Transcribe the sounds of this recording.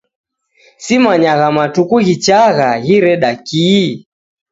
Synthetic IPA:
simaɲaɣamatukuɣit͡ʃaɣaɣiɾɛɗaki

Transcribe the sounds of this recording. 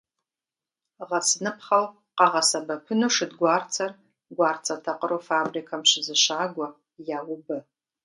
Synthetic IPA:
ʁat͡sʰnɨpʰχaw | qɑʁɑsabɐkʷʰʊnuʂɨdɡʷart͡sʰar | ɡʷart͡sʰʼatʰaqʼəɾofabrikʰamʃɪzɨʃaːɡʷa | jawʊbɨ

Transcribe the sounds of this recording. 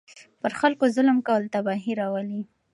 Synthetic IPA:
pəɾxalkozʊləmkawəlt̪abɑɦiɾɑwəli

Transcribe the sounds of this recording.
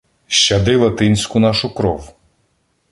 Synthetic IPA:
ʃt͡ʃɐd̪ɪlˠɐt̪ɪnʲsʲkʊnɑʃʊkɾɔw

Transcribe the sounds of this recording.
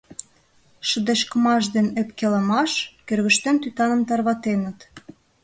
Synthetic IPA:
ʃə̆d̪eʃkəmɑʃd̪enepkelə̆mɑʃkørɣəʃt̪ent̪yt̪ɑnə̆mt̪ɑrβɑt̪enə̆t̪

